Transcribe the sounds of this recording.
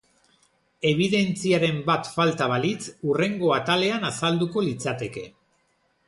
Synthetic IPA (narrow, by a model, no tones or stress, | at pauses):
e̞β̞iðe̞nt͡siaɾe̞mbat̪falt̪aβ̞alit͡sure̞ŋɡo̞at̪ale̞anasald̪uko̞lit͡sat̪e̞ke̞